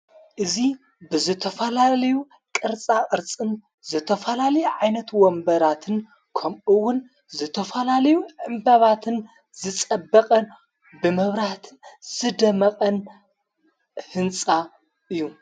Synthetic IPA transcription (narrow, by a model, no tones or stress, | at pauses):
ʔɨzi | bɨzɨt̪ʰɐfɐlalɐju | kʼɨɾt͡sʼakʼɨɾt͡sʼɨn | zɨt̪ʰɐfɐlalɐjuʕajnɐt̪wɔmbɐɾat̪ʰɨn | kʰɐmɨwːʊn | zɨt̪ʰɐfɐlalɐjuʕɨmbaβat̪ʰɨn | zɨt͡sʼɐbːɐqʼɐn | bɨmɐβɾaht̪ʰɨz̥ɨd̪ɐmɐqʼɐn | hɨnt͡sʼa | ʔɨjːu